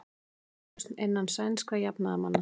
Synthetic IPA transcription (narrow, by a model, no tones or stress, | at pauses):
st̪nejnːansajnskvajapnaðama̰nːa